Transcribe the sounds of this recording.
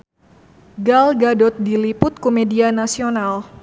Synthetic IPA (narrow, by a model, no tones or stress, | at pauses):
ɡalɡadɔt̪̚dilipʊt̪̚komedianasional